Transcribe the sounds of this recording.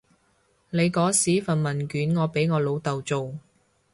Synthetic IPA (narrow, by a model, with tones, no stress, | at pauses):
ne˨˧jkɔː˨˥siː˨˥fɐ˨nmɐ˨˩nkyː˨˥nŋɔː˨˧pe˨˥jŋɔː˨˧lo˨˧wt̪ɐ˨wt͡so˨w